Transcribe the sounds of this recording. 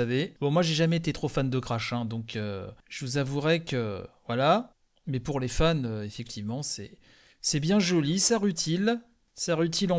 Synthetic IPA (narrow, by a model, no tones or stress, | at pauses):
avebɔ̃mwaʒeʒamɛet̪et̪χofand̪əɡʁaʃɛ̃d̪ɔ̃kʰøʒ̥əvuzavuʁɛkəvwala | mɛpuʁlefanøefɛk̚t̪ʰivmɑ̃sɛ̰ | sɛbjɛ̃ʒɔlisaʁyt̪ʰil | saʁyt̪ʰilɑ̃